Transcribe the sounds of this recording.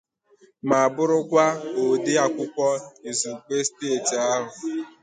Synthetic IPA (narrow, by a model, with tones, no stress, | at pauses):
ma˨a˨bʊ˦ɾʊ˦kʷa˦o˨de˦a˨kʷʊ˦kʷɔ˦i˨zu˨k͡pe˦steː˦˨ta˦ɦʊ˨